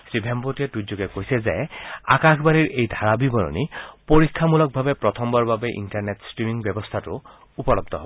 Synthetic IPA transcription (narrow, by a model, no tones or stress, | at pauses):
sɹibʱempotietujzoɡekojsɛzɛa̰kaxʰbaniɹʔejd̪ʱaɹabibɔnɔ̰nipoɹikʰːamulɔk̚bʱabepɹɔt̪ʰɔmbɔɹbabeʔḭntaɹnetstɹimiŋbjɔbɔst̪ʰatʊ | upɔlɔb̚d̪ʱɔɦɔbɔ